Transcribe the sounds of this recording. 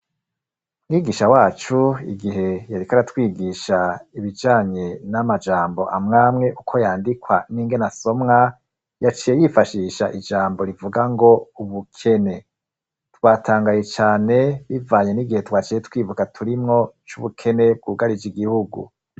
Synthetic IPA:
mŋiːɡiːʃawaːt͡ʃuḭɡiɦe̞jaɾikaɾatwiːɡiʃaiβid͡ʒaːɲe̞namad͡ʒaːmbo̞ʔamŋaːmŋe̞ʔukʰo̞jaːndikwaniːŋɡe̞naso̞mŋa | jat͡ʃiːje̞jifaʃiːʃaʔid͡ʒaːmbo̞ɾivuɡaŋɡo̞uβukʰe̞ne̞ | twatʰaːŋɡaje̞t͡ʃaːne̞βivaːɲe̞niɡihe̞twaːt͡ʃijetwiːvukatʰuɾimŋo̞t͡ʃuβukʰe̞ne̞b̚ɡuːɡaɾid͡ʒiɡihuɡṵ

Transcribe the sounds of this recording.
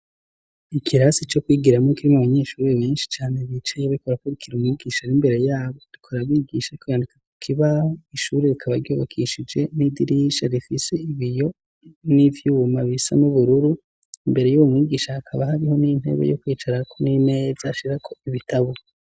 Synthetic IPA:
ikʰiɾasit͡ʃo̞kwiːɡiɾamokiɾimuβaɲe̞ːʃuːɾeβeːnʃi̥t͡ʃaːne̞βit͡ʃejoβikoɾakoɾikʰiɾumŋiːɡiːʃaɾimbe̞ɾe̞jaːβo̞ɾikʰoɾaβiɡiʃaikojandikako̥kʰiβahoiʃuːɾe̞ɾikʰaβaɾjoːβokʰiʃid͡ʒe̞nidiɾiʃaɾifise̞iβijo̞ | nivjumaβisa̰nuβuɾuɾu | imbe̞ɾe̞juβumŋiːɡiːʃaːkʰaβahaɾiho̞nin̥he̞̰βḛjokwiːt͡ʃaɾakonine̞ːz̥aʃiɾakʰo̞iβitʰaβo

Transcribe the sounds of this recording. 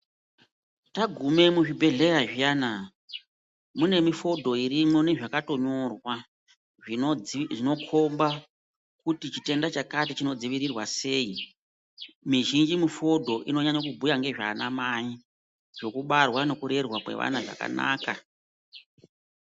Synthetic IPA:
taɡʱume̞muʐibʱe̞ɮe̞jaʐijaːna | mune̞mifo̞dʱo̞irimwo̞neʐakato̞ɲo̞rwa | ʐino̞kʰo̞mba | kutit͡ʃite̞ndat͡ʃakatit͡ʃino̞d͡ziʋiɾirwase̞ːi | miʒind͡ʒimufo̞dʱo̞ʔino̞ɲaɲakubʱujaŋɡe̞ʐaːnamai | ʐ̥o̞kuɓarwane̞kuɾe̞rwakwe̞̰ʋa̰naʐa̰ka̰na̰ːka

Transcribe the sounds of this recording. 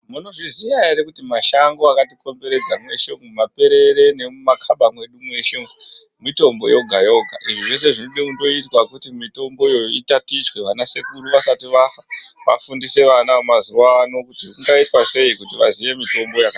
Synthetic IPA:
muno̞ʐizijaeɾekutimaʃaŋɡoakatiko̞mbe̞ɾe̞d͡zamwe̞ʃeŋɡumape̞ɾe̞ɾe̞ne̞mumakʰaɓamwe̞ɗumwe̞ʃeŋu | mito̞mbo̞̰jo̞ɡʱajo̞ɡʱa̰ʔiʐiʐe̞s̬e̞ʐinoɗekundo̞itwakutimito̞mbo̞jo̞itatit͡ʃwe̞ʋanase̞kuɾuʋasatiʋafaʋa̰fundise̞ʋanaumaziwano̞kutiŋɡaitwaʐe̞ikutiʋa̰ziʋe̞mito̞mbo̞jaka

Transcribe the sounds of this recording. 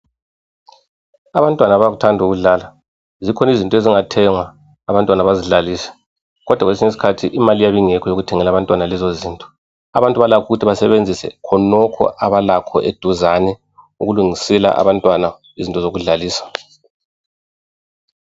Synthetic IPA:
aβantʼwanaβaɣutʰandʱuɣuɮaːla | zikʰɔnizintʼeziŋatʰɛŋwaː | βantʼwanaβaziɮaliːsɛ̥ | ɣɔd̥ʱwaɣwelesiɲes̬i̥kʰatʰiʔimalijaβiŋɛkʰɔjoɣutʰɛŋɛlaβantʼwanalɛzoziːntʼɔ̥ | a̰βantʼuβalakʰuɣutʰiβasɛβend͡zʱisɛ̰kʰɔnɔkʰɔ̰ʔaβalakʰɔ̰ʔed̥ʱuzanɛ | uɣuluŋisɛla̰ʔa̰βantʼwana | izintʼɔzoɣuɮaliːsḁ

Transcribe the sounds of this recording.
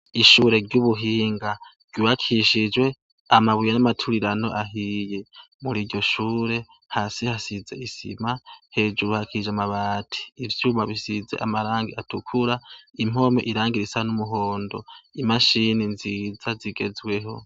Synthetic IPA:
iʃuːɾe̞ɾɟuβuɦiːŋɡaɾ̥ɟuhakʰiʃid͡ʒwe̞ | amaβujanamatʰuɾiɾano̞̰ʔaɦije | muɾiːɾɟo̞ʃuːɾe̞ | hasihasize̞̰ʔisḭmahe̞ːd͡ʒuɾuhakʰiid͡ʒamaβaːtʰi̥ːvjuːmaβisizḛʔa̰maɾaːŋɡiatʰukʰuɾaim̥o̞mḛʔiɾaːŋɡiɾisanumuɦo̞ːndo̞̰imaʃininzizaziɡe̞zwe̞ɦo̞

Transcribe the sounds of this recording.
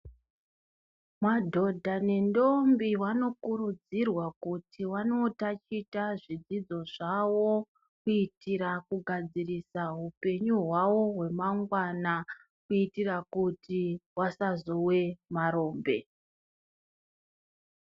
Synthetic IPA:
madʱo̞dʱanendo̞mbiwano̞kurud͡zirwakutʰiwano̞tat͡ʃitaʐid͡zid͡zo̞ʐawo̞ | kuitiɾakuɡʱad͡zirisaɦupe̞ɲuɦwawo̞ɦwe̞maŋɡwana | kuitirakutiwasazo̞we̞maɾo̞ːmbe̞̰

